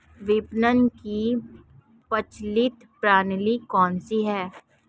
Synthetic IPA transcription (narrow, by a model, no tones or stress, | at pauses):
ʋɪpnənki | pət͡ʃlɪt̪pɾaːnlikɔːnsiɦɛː